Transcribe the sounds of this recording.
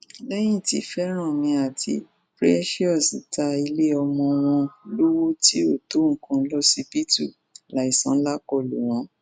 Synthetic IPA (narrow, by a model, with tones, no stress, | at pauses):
lɛ˦j̃ĩ˦˨tḭ˨˦fɛ˦ɾ̃ã˦˨mĩ˧a˨tḭ˧˦ | pɾḭ˦ɛ˦ʃi˦ɔ˦˨si˨ta˧i˧le˦ɔ˧mɔ̃˧w̃ɔ̃˧lu˦wo˦ti˦o˦˨to˦ŋ̩˨kũ˧˦lɔ˦si˦pi˦tṵ˦˨ | la˨˦i˨sã˦la˦kɔ˦˨lṵ˨w̃ɔ̃˨˦